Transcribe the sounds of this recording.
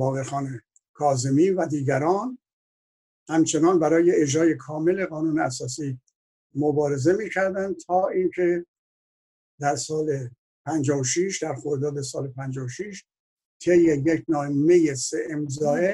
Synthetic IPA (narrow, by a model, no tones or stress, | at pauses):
bɒːɣeɾxɒːne | kʰɒːze̞miːvæd̪iːɡæɾɒːn | hæmt͡ʃʰe̞nɒːnbæɾɒːje̞ed͡ʒɾɒːje̞kʰɒːme̞le̞ɣɒːnuːneæsɒːsiː | mobɒːɾe̞ze̞miːcʰæɾd̪ænd̪̚t̪ʰɒːʔiːncʰe̞ | d̪æɾsɒːle | pʰænd͡ʒɒːvoʃiʃd̪æɾxoɾd̪ɒːd̪e̞sɒːlepʰænd͡ʒɒːvoʃiʃ | t̪ʰejːejekʰnɒːme̞jeseʔemzɒːe